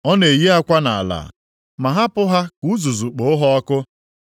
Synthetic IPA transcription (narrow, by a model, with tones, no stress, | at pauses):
ɔ˦ne˨ji˦a˦kʷa˦na˨a̰˨la̰˨ | ma˨ɦa˦pʊ˦ɦa˦ku˨˦zu˨zu˨k͡po˨˦ɦɔ˦ɔ˦kʊ˦